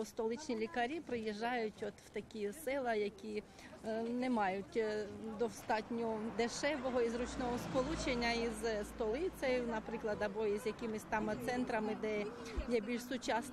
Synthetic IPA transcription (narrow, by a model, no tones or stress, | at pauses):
st̪ɔlˠɪt͡ʃnʲilʲikɐɾʲipɾɪjiʒːɑjʊtʲɔt̪w̥t̪ɐkʲisɪlˠɐjɐkʲi | nemɑjʊtʲd̪ɔwst̪ɑtʲnʲɔɔd̪eʃɛʋɔɦɔizrut͡ʃnɔɦɔskɔlˠut͡ʃenʲːɐizst̪ɔlˠɪt̪sʲɛjʊnɐpɾɪklˠɐd̪ɐbɔizjɐkʲɪmɪsʲt̪ɑmɐt̪sɛnt̪ɾɐmɪd̪ɛ | jɛbʲilʲʃsʊt͡ʃɑs